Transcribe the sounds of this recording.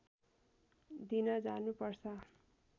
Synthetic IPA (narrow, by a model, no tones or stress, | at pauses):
d̪inʌd͡zanupʌrt͡sʰʌ